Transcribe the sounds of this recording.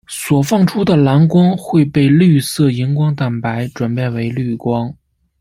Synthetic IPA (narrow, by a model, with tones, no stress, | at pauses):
swɔ˨˩fɑ˥˩ŋʈ͡ʂʰu˥d̪ə˨la˧˥nkwɑ˥ŋxwe˥˧ɪpe˥˧ɪly˥˧sɤ˥˩i˧˥ŋkwɑ˥ŋt̪a˨˩npa˧˥ɪʈ͡ʂwa˨˩npjɛ˥˩nwe˧˥ɪly˥˩kwɑ˥ŋ